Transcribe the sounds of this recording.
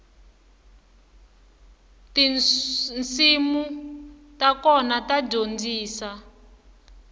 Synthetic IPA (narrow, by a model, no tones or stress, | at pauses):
ti | nt͡simutakɔnatad͡ʒond͡ziːsa